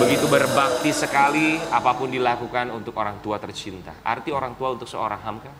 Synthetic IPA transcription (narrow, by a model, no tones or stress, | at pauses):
bəɡit̪ubərbak̚t̪isəkaliapapʊndilakukanunt̪ʊkoɾaŋt̪uat̪ərt͡ʃint̪a̰ʔa̰rt̪ioɾaŋt̪uaunt̪ʊk̚səoɾaŋɦamka